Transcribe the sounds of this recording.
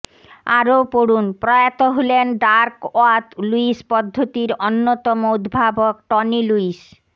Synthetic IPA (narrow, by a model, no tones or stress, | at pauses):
a̰ɾopoɽunpɾɔjat̪oɦolenɖaɾkoat̪luispɔd̪ʱːot̪iɾonːot̪ɔmood̪bʱabok̚ʈɔniluis